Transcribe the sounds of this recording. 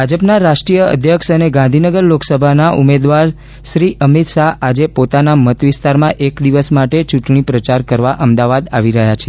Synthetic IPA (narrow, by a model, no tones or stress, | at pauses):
bʱad͡ʒəpnaɾaʃʈɾijəə̰d̪ʱjəkʃəneɡãnd̪ʱinəɡəɾloksəbʱanaʔumed̪ʋaɾ | ʃɾiʔəmit̪ʃaad͡ʒepot̪anamət̪ʋɪst̪aɾmãʔekd̪iʋəsmaʈet͡ʃuʈɳipɾət͡ʃaɾkəɾʋaʔəmd̪aʋad̪aʋiɾəɦjat͡ʃʰe̥